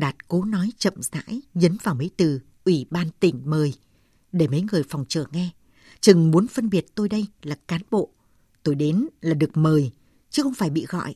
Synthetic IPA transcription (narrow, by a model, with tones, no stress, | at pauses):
ɗaː˨˩t̚ko˨˦nɔ˨˦jt͡ɕə̰˧˨mza̰ː˧˥jzə˨˦nvaː˨˩wmə˨˦jt̪ɨ˨˩ | ʔwi˧˩ɓaː˧nt̪ï˧˩ŋ̟məː˨˩j | ɗe˧˩mə˨˦jŋɨ˨˩əjfɔ˨˩wŋ͡mt͡ɕɨ˧˩əŋːɛ˧ | t͡ɕɨ˨˩ŋmu˨˦ənfə˧nɓi˨˩ət̚t̪o˧jɗə˧jlaː˨˩kaː˨˦nɓo̰˧˨ | t̪o˧jɗe˨˦nlaː˨˩ɗɨ˨˩ək̚məː˨˩j | t͡ɕɨ˨˦xə˧wŋ͡mfaː˧˩jɓḭ˧˨ɣɔ̰˧˨jʔ